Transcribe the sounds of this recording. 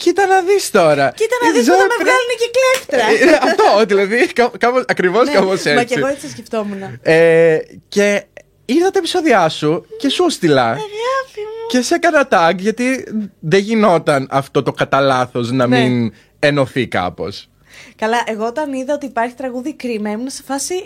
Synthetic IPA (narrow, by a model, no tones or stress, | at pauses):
cit̪ɐnɐðist̪o̞ɾɐcit̪ɐnɐiznɐvɐlunecekleft̪ɾɐɐft̪ot̪ilɐðikɐkɐposɐkɾivo̞skɐposeɐesiɣoet͡siɐsceft̪omunɐece̞ | iɾðɐt̪ɐepiso̞ðiɐsuce̞sust̪ilɐɣɐfice̞sekɐnɐt̪ɐkʝɐt̪iðeʝino̞t̪ɐnɐft̪o̞t̪o̞kɐt̪ɐlɐθo̞znɐmin | e̞no̞θikɐ̰po̞̰s | kɐlɐʔeɣoot̪ɐniðɐot̪iːpɐɾçi̥t̪ɾɐɣuðikɾimɐemunɐsefɐsi